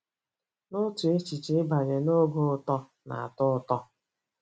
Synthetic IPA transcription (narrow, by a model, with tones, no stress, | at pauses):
nʊ˦tu˨e˦t͡ʃi˨t͡ʃe˨˦ba˨d͡ʒe˨no˦ɡo˦ʊ˨tɔ˦ | na̰˨a̰˨tʊ˦ʊ˦tɔ˦